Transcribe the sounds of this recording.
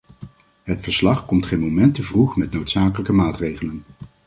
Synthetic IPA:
ɦətfəɹslɑχkɔmtχejnmowmɛntəvruχmɛtnowtsaːkələkəmaːtrejχələn

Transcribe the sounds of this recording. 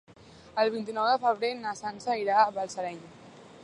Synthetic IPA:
əlˠβint̪inɔwðəfəβɾenəsansəiɾaəβəlˠsəɾɛɲ

